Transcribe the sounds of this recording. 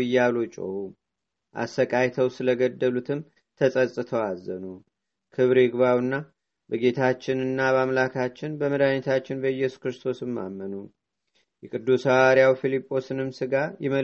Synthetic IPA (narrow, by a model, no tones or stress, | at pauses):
ɨjːalot͡ʃʼə̰hu | ʔa̰səkʼajt̪ʰəwsɨləɡəd̪ːəlut̪ʰɨm | t̪ʰəsʼəsʼɨt̪ʰəwazːənu | kʰɨβɾɨɡβawɨnːa | bəɡe̞t̪ʰat͡ʃːɪnɨnːabamlakʰat͡ʃːɪnbəməd̪aɲɛt̪ʰat͡ʃːɪnbəɨjːɛsu̥kɾɨst̪ʰo̞sɨmːa̰mːənu | jɛkʼɨd̪ːusawaɾijawfilipʼːo̞sɨnɨmsɨɡajɛmə